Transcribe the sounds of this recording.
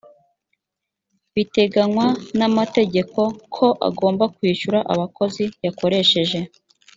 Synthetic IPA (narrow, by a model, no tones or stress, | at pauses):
βite̞ɡanwanamate̞ɟe̞ko̞kʰo̞ʔa̰ɡo̞ːmbakwiːʃuɾaʔa̰βakʰo̞zijako̞ɾe̞ʃe̞ʒe̞